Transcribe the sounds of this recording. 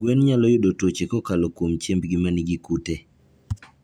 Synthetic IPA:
ɡwenɲalɔjʊdotwot͡ʃekɔkalɔkwomt͡ʃembɡimanɪɡikute

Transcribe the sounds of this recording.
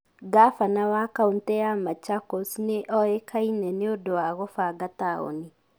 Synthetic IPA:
ɡafanawakauntɛamat͡ʃakosneʔɔekʰainɛnɪodoaɣofaɡatao̰nɪ

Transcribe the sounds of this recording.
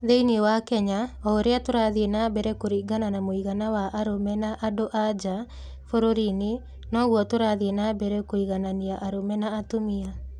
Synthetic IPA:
ðeiniewakɛɲaɔoɾeatoɾaðienabɛɾɛkoɾiɡananamoiɣanawaʔaɾomɛnaʔadoʔad͡ʒa | foɾoɾini | nɔɣwɔtoɾaðienabɛɾɛkoiɣananiaʔaɾomɛnaːtomia

